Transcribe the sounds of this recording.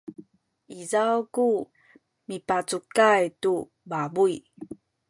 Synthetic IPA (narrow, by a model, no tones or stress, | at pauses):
izawku | mipat͡sukajtu | babui